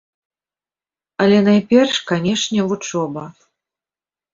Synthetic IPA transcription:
ɐlʲɛnajpʲɛrʂkanʲɛʂnʲɛvut͡ʂɔbɐ

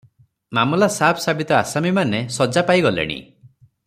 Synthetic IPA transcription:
mamɔlasapʰsabit̪ɔa̰samimanesɔd͡ʒapaiɡɔlḛɽ̃ḭ

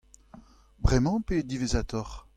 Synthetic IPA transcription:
bʁɛmɑ̃ped̪ivezat̪ɔʁ

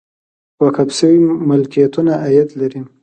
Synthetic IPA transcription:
wakabsəwimʊlkijat̪unaajat̪laɾi

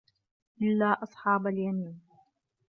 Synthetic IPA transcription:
ʔɪlːaːʔɑsˤħɑːbaljamiːn

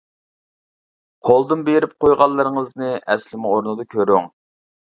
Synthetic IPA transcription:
qʰolˠd̪ɨnbeɾɪp̚qʰojʁɑlˠːɨɾɨŋəznɨʔɛslɪmʊoɾnɨd̪ɑkʲʰøɾyŋ

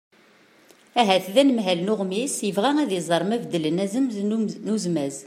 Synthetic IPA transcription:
æɦæθðænəmɦælnʊʁmisjəvʁææðizˤəɾˤmævd̪ːələnæzəmnuzmæz

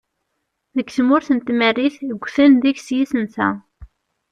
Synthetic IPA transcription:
ðəɡθmʊɾθənt̪mərːiθəɡʷːθənðiçsjisənsæ̰

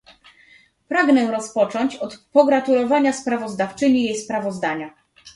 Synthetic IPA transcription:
pɾaɡnɛɾɔspɔt͡ʂɔɲt͡ɕɔt̪pɔɡɾat̪ulɔvaɲaspɾavɔzd̪aft͡ʂɘɲijejspɾavɔzd̪aɲa

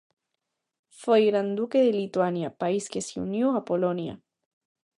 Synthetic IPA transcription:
fejɣɾand̪ukeðelit̪wanjapaiskeseṵnjoapolonja̰

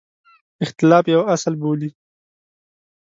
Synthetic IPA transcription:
ɪxt̪ɪlɑːfjawaslboli

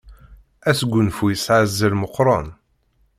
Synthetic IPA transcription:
æsɡʷːʊnfujəsʕazːəlməqːɾˤɑn

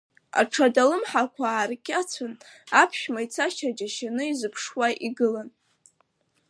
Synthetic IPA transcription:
a̰ʈ͡ʂʰadalɨmħakʷʰaːrkʲʼat͡sʷʰan | apʰʃᶣmajt͡sʰaʃʰad͡ʒaʃanɨizɨpʰʂwaʔiɡɨlan

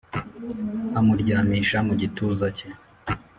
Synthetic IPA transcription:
amuɾɟaːmiːʃamuɟituːzace

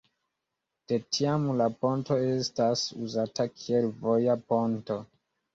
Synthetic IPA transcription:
d̥e̞tʰiamlapo̞nto̞e̞stasuzatakʰie̞lvo̞japo̞nto̞

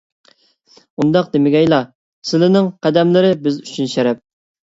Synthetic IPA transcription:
und̪ɑq̚d̪emɪɡʲɛjlˠɑ | sɪlɪnɪŋqʰæd̪ɛmlɪɾɪbɪzy̥t͡ʃʰynʃɛɾɛp̚

